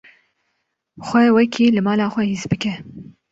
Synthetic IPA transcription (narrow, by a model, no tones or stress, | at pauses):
xʷɛwɛkʰiːlɨmɑːlɑːxʷɛhizbɨkɛ